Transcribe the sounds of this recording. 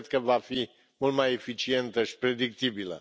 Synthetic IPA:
d̪kəvafi | mult̪maje̞fit͡ʃie̞nt̪əʃi̥pɾe̞d̪ik̚t̪ibilə̰

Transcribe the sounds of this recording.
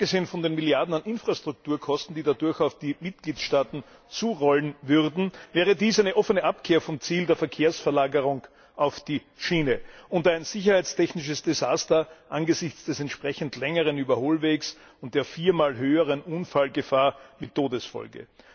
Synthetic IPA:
apɡ̥əzeːənfɔndeːnmiljaɐdn̩anʔɪnfʁ̥astʁ̥ʊk̚tuːɐkʰɔstn̩d̥iːdadʊɐçaʊfd̥iːmɪt̚ɡ̥liːtʃtaːtn̩ | t͡suːʁɔlnvʏʁdn̩vɛːʁ̞ədiːsæɪnəʔɔfənəʔap̚kʰeːɐfɔmt͡siːldeːɐfɛɐkʰeːɐsfɛɐlaːɡəʁʊŋ | ʔaʊfd̥iː | ʃiːnəʔʊntaɪnz̥ɪçɐhaɪt͡stʰɛçnɪʃəsd̥ezaːstɐʔanɡəzɪçt͡sd̥ɛsɛntʃpʁ̥ɛçn̩tlɛŋəʁənyːbɐhoːlveːks | ʊnt̚d̥eːɐfiːɐmaːlɦøːəʁənʔʊnfalɡəfaːɐmɪtʰːoːdəsfɔ̰lɡə̰

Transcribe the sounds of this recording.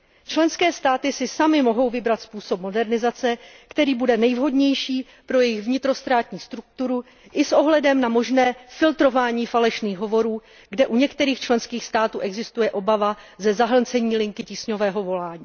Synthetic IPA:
t͡ʃlɛnskɛːst̪aːt̪ɪsɪsamɪmoɦo̞wvɪbɾat̪spuːso̞pmo̞dɛɾnɪzat͡sɛkt̪ɛɾiːbudɛnɛjvɦo̞dɲɛjʃiː | pɾo̞jɛjɪɣvɲɪt̪ɾo̞st̪ɾaːt̪ɲiːst̪ɾuk̚t̪uɾu | ʔɪsʔo̞ɦlɛdɛmnamo̞ʒnɛːfɪlt̪ɾo̞vaːɲiːfalɛʃniːɣɦo̞vo̞ɾuː | ɡdɛʔuɲɛkt̪ɛɾiːxt͡ʃlɛnskiːxst̪aːt̪uːʔɛɡzɪst̪ujɛʔo̞bava | zɛzaɦl̩nt͡sɛɲiːlɪŋkɪciːsɲo̞vɛːɦo̞vo̞laːɲiː

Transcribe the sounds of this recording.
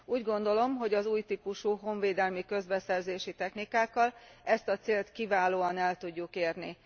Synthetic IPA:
uːɟɡo̞n̪d̪o̞lo̞mɦo̞ɟɒzuːjt̪iːpuʃuɦo̞ɱveːd̪ɛlmikø̞zbɛsɛrzeːʃit̪ɛxnikaːkːɒlɛst̪ɒt̪seːlt̪kivaːloːɒnɛlt̪uɟːukeːrni

